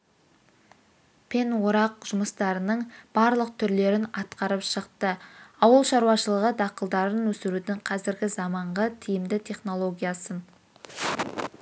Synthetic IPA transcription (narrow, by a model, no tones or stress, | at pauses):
pʰe̞nwoɾɑq̚ʒ̥ʊməst̪ɑɾənəɴb̥ɑɾlˠəq̚t̪ʰʏɾle̞ɾɪnɑt̪qɑɾəpʃəqt̪əɑwəlˠʃɑɾuwɑʃəlˠəʁəd̪ɑqəlˠd̪ɑɾənwɵsɪɾud̪ɪŋqʰɑzɪɾɡʲɪzɑmɑɴʁət̪ʰijɪmd̪ɪt̪ʰe̞χno̞lˠo̞ɡʲijasə